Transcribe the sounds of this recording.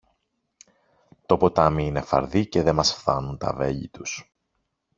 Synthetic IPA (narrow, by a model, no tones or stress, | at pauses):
t̪o̞po̞t̪ɐmiine̞fɐ̰ɾðice̞ðe̞mɐsfθɐnunt̪ɐ̰ve̞ʎḭt̪us